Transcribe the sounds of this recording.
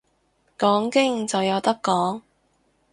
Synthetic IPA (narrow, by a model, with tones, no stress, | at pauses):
kɔː˨˥ŋkɪ˥ŋt͡sɐ˨wjɐ˨˧wt̪ɐ˥kːɔː˨˥ŋ